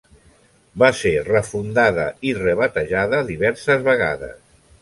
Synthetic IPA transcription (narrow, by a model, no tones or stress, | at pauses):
baserəfund̪aðə̰irəβət̪əʒaðəðiβɛɾsəzβəɣa̰ðə̰s